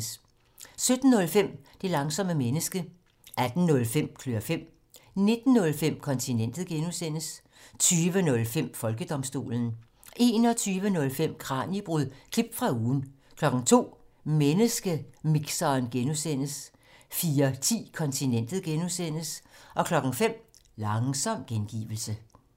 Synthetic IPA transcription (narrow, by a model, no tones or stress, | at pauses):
s | sød̥n̩ːɔ̽lfem̰d̥e̝lɑ̈ŋsɒ̽məmenəsɡ̥ə | æd̥n̩nɔ̽lfem̰kʰløɐfem̰ | ne̝d̥n̩ːɔ̽lfem̰kʰɒ̽nt͡sʰinen̰d̥ð̞̩ˠɡ̥enusen̰əs | t͡sʰyːʋənɔ̽lfem̰fɒ̽lɡ̥əd̥ɒ̽msd̥o̝̰ːln̩ | ʔe̝̰ːnɒ̽t͡sʰyːʋənɔ̽lfem̰kʰʁɑ̰̈ːnib̥ʁuð̰ˠkʰlib̥fʁɑ̈uːn̩ | kʰlɒ̽ɡ̥n̩t͡sʰo̝̰ːmenəsɡ̥əmiɡ̥sɐːnɡ̥enusen̰əs | fiːɐt͡sʰḭːkʰɒ̽nt͡sʰinen̰d̥ð̩ˠɡ̥enusen̰əsʔɒ̽kʰlɒ̽ɡ̥n̩fem̰lɑ̈ŋsɒ̽m̰ɡ̥enɡ̥ḭːʋl̩sə